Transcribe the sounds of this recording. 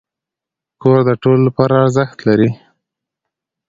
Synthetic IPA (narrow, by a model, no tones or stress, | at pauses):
koɾd̪əʈolːapɑɾaːɾzəxt̪laɾi